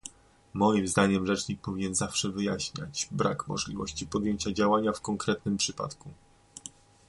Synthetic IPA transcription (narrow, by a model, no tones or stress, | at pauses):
mɔjimzd̪aɲɛmʐɛt͡ʂɲik̚pɔvʲiɲɛnzafʂɛvɘjaɕɲa̰t͡ɕbɾa̰kmɔ̰ʐlʲivɔ̰ɕt͡ɕipɔd̪jeɲt͡ɕad͡ʑawaɲafkɔŋkɾɛt̪̚nɘmpʂɘpa̰t̪ku